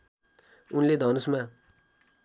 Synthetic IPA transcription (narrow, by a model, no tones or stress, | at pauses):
unled̪ʱʌnusma